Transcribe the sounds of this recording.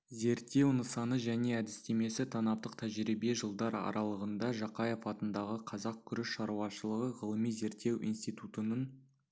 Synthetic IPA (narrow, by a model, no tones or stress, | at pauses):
ze̞ɾt̪ːe̞wnəsɑnəʒæne̞æd̪ɪst̪e̞me̞sɪt̪ʰɑnɑp̚t̪əqt̪ʰæʒɾibe̞ʒəlˠd̪ɑɾɑ̰ɾʔɑlˠəʁənd̪ɑʒɑqɑjefɑt̪ənd̪ɑʁəqʰɑzɑq̚kʲʰʏɾɪʃʃɑɾuɑʃəlˠəʁəʁəlˠəmijze̞ɾt̪ːe̞wʔijnst̪ijt̪ut̪ənən